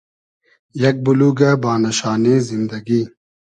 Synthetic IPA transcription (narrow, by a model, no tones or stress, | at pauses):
jɐk̚buluːɡabaːnɐɕaːnẽːzind̪ɐɡiː